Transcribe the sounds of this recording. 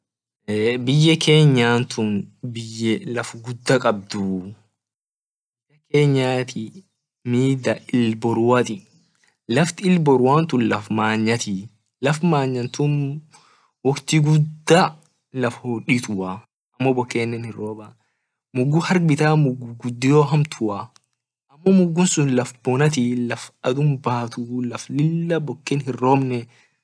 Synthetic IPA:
bɪjːɛke̞ːɲːaːnt̪ʊnbɪjːɛlɐfɡʊd̪ːɐkʼɐb̚d̪ʊ | b | ɪjːɐkeːɲːaːt̪ɪ | miːd̪ɐʔɪlbɔɾwɐt̪ɪ | lɐft̪ɪɪlbɔɾwaːnt̪ʊnlɐfmaːɲːɐt̪ɪ | lɐfmaːɲːɐnt̪ʊn | wɔkt̪iɡʊd̪ːa | lɐfhoᶑɪt̪ʊwɐ | ʔɐmːɔbɔkːeːnːɛnhɪrːoːbɐ | mʊɡʊhɐɾbɪt̪aːmʊɡːuɡʊd̪ːɪjoːɦɐmt̪ʰʊa | ɐmːɔmʊɡːʊnsʊnlɐfbɔnɐt̪̬ilɐfɐd̪ʊmbaːt̪ulɐflɪlːɐbɔkːɛnɦɪrːoːbnɛ

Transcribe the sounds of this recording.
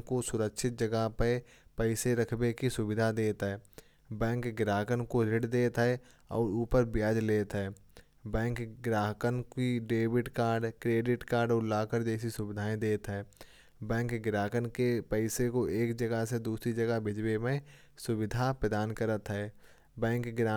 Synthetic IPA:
kosʊɾəkʃɪt̪̚d͡ʒəɡəpe | pɛːseɾɐkʰbekisʊbɪd̪ʱad̪eːt̪ɦɛː | bɛ̃ːŋkɡɾaːkənkoɾɪɽd̪eːt̪ɦɛ | ɔ̰ːɾuːpəɾbɪjaːd͡ʒleːt̪ɦɛː | bɛ̃ːŋkɡɾaːɦəkənkiɖeːbɪʈkaːɾɖkɾeːɖɪʈkaːɾɖʊlaːkəɾd͡ʒeːs̬isʊbɪd̪ʱaːẽd̪eːt̪ɦɛː | bɛ̃ːŋkɡɾaːkənkepɛɪsekoʔeːkd͡ʒəɡəsed̪uːsɾid͡ʒəɡabʱɪd͡ʒwemẽ | sʊwɪd̪ʱapɾəd̪aːnkəɾət̪ɦɛː | bɛ̃ːŋkɡɾa

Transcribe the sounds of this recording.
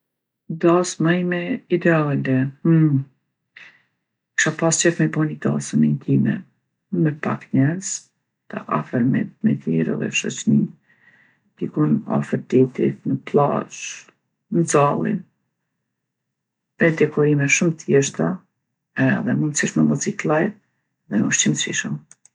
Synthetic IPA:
d̪asmajmɛid̪ɛalɛ | kʃapast͡ɕɛfmɛbɔnid̪a̰sənɛnt̪ʰimɛ | mɛpakɲɛɾz̥ | t̪a̰ʔa̰fəɾmɛ̰t̪mɛ̰t̪iɾɛ̰ðɛ̰ʃɔ̰t͡ɕnin | d̪̥ikuna̰fəɾd̪it̪ḭt̪nəpla̰ʃ | nəd͡zalˠḭn | vɛd̪ɛkʰɔɾimɛʃumt̪jɛʃt̪a | ɛðɛmunsiʃməmɔt͡sit̪lˠaj | ðɛnuʃtimsiʃəm

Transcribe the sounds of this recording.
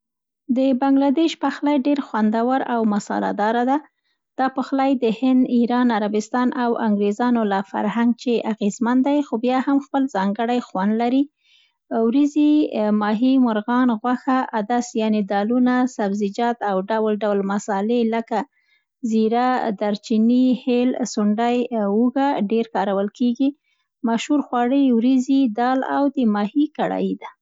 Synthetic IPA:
d̪əbaŋɡlad̪eʃpaxlɑjɖeɾxwand̪awaɾawmasɑ̰la̰d̪ɑɾad̪a | d̪̥ɑpəxlɑjd̪əhɪnd̪iɾɑnaɾabɪst̪ɑnʔawaŋɡɾezɑnolafa̰ɾhaŋɡ̚t͡ʃeʔaɣezmand̪ajxobjɑhamxpəlzɑŋɡəɽajxwand̪laɾi | wɾizimɑɦimʊɾɣɑnɣwaxaʔad̪asjɑned̪ɑlunasabzɪd͡ʒɑt̪awɖawlɖawlmasɑleləka | ziɾad̪aɾt͡ʃinihelsʊɳɖajwuɡaɖeɾkɑɾawəlkeɡi | maʃhuɾxwɑɽəjwɾizid̪ɑla̰wd̪əmɑhikaɽɑ̰jid̪a

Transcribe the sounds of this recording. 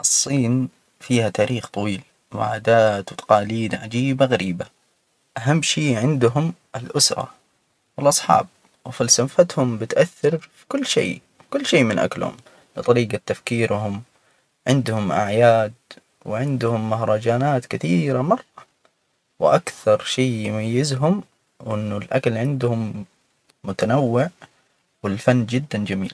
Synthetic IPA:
ʔɨsˤːiːn | fiːhat̪aːɾiːxt̪ˤɑwiːl | wɪ̰ʕa̰ːd̪aːt̪wt̪ʰɑ̥qɑːliːd̪ʕad͡ʒiːbaɣaɾʔiːba | ʔaɦamːʃiːʕɪnd̪ɦʊmʔɪlʔʊsɾˤɑ̰ | wɪlʔɑsˤħɑ̰ːb̚ | wɪfɪlsamfat̪hʊmbɪt̪ʔaθːɑɾfikʊlːʃḛː | kʊlːʃeːmɪnʔa̰klhʊ̰m | lɨt̪ˤɑɾiːɡat̪ːafkiːɾhʊm | ʕɪnd̪hʊmʔa̰ʕjaːd̪ | wɪʕɪnd̪hʊmːaɦɾˤɑd͡ʒaːnaːt̪kɪθiːɾamɑrˤːɑ | wʔakθɑɾˤʃeːjʊmajːɪzɦʊm | wʔɪnːʊlʔakalʕɪnd̪hʊmː | ʊt̪anawːɪʕ | wɪlfanːd͡ʒɪd̪ːand͡ʒamḭːl

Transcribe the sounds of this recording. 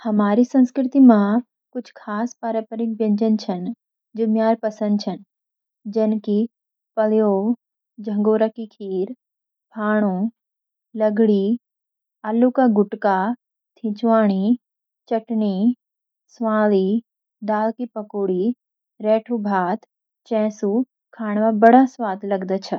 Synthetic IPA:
hɐmaːɾisɐ̃nskɾɪt̪imã | kʊt͡ʃʰkʰaːspaɾəpəɾɪk̚bjɐ̃ɲd͡ʒənt͡ʃʰən | d͡ʒʊmjaːɾpɐsə̃nd̪̚t͡ʃʰɐn | d͡ʒɐnki | pɐljoː | d͡ʒʱɐ̃ŋɡoːɾakikʰiːɾ | pʰaːɽ̃uː | lɐɡɽiː | aːlukaɡʊʈka | t̪ʰɪ̃t͡ʃʋaːɽ̃i | t͡ʃɐʈɳi | sʋaːli | d̪aːlkipɐkuːɽi | ɾeːʈʰubʱaːt̪ | t͡ʃɛ̃ːsu | kʰaːɽ̃ʋabɐɽ̤asʋaːd̪lɐɡd̪ət͡ʃʰɐ

